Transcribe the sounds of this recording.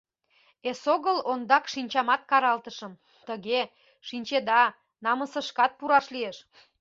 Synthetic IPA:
esoɣəlond̪ɑkʃinʲt͡ɕɑmɑt̪̚kɑɾɑlt̪əʃəm | t̪əɣe | ʃinʲt͡ɕed̪ɑ | nɑməsəʃkɑt̪̚puɾɑʃlieʃ

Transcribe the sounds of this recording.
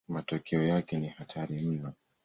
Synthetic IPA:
matɔkʰɛɔjakɛnihatʰaɾim̩na

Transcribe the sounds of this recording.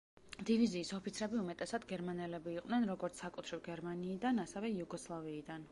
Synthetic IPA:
d̪̥iviziːsɔpʰit̪sʰɾɛbiumɛt̪ʼɛsad̪ɡɛɾmanɛlɛbiːqʼnɛnɾɔɡɔɾt̪sʰsakʼut̪ʰɾivɡɛɾmaniːd̪anasɛvɛjuɡɔslˠaviːd̪an

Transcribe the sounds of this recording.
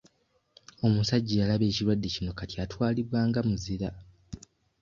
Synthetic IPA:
o̞musaɟːijalaβe̞ːciɾwadːe̞cino̞katjatwaːliβwaːŋɡamuziɾa

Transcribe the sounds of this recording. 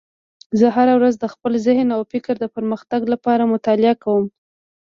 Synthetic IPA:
zəɦaɾawɾazd̪əxpəlzɪhnawfɪkɾd̪əpəɾməxt̪aɡlapɑɾamʊt̪ɑlɪakawəm

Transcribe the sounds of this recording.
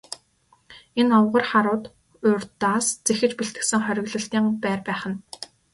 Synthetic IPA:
enɔwʁə̆rχaɾʊːt̪ | ʊrʲt̪aːst͡sexɘ̆t͡ɕpiɬt̪ɘ̆ksɘ̆ŋχœɾʲɪ̆ɣɮə̆ɬt̪iːŋpæːrpæːχə̆n

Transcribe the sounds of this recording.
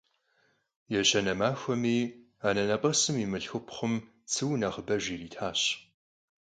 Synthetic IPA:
jɛɕɐnɐmaːxʷɐmiː | aːnɐnɐpʼɐsɨmiːmɨɬxɨpʰχʷəm | t͡sʰɨwnɐχəbɐʒiːriːtʰaːɕ

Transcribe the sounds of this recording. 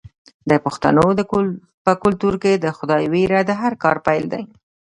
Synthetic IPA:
d̪əpʊxt̪a̰no | pəkʊlt̪uɾked̪əxʊd̪ɑjwiɾad̪əɦaɾkɑɾpajld̪a̰j

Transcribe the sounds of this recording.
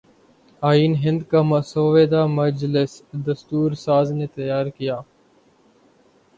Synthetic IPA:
aːiːnɦɪ̃nd̪kaːməsoːʋeːd̪aːməd͡ʒlɪsd̪əst̪uːɾsaːzneːt̪əjaːɾkɪjaː

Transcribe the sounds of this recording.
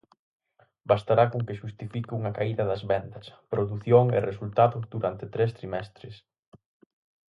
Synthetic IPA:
bast̪aɾakoŋkɪʃust̪ifikuŋɐkaiðɐðɐzβɛnd̪ɐspɾoðuθjoŋḛresult̪aðʊðuɾant̪ɪt̪ɾest̪ɾimɛst̪ɾɪs

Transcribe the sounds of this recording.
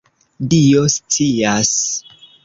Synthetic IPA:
dio̞st͡sias

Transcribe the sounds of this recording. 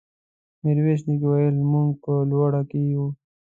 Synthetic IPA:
nɪɾweʃ̬nik̬wajəlmuŋɡ̚pəlwaɽakeju

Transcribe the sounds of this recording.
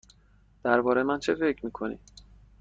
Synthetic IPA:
d̪̥æɾbɒːɾejemænt͡ʃʰefe̞cʰmiːkʰo̞nḭ

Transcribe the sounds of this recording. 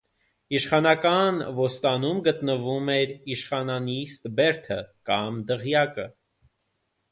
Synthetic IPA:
iʃχɑnɑkɑnvɔst̪ɑnumɡət̪nəvumɛɾiʃχɑnɑnist̪bɛɾt̪ʰəkɑmd̪əʁjɑkə

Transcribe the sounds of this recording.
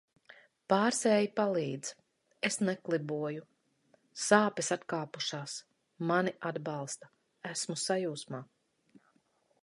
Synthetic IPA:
paːɾsɛːjipalˠiːd̪z | esnɛklˠibuɔju | saːpɛsat̪kaːpuʃaːs | maniʔad̪bɑlˠst̪ɐ | æsmusajuːsmaː

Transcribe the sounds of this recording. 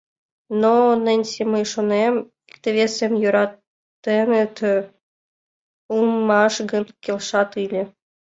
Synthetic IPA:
nonɘ̆nʲseməjʃonem | ikt̪ĕʋʲesemjuɾɑt̪ː | enĕt̪ʰø | umːɑʃɡɤ̆nkʲelʃɑt̪ɯlʲɘ̆

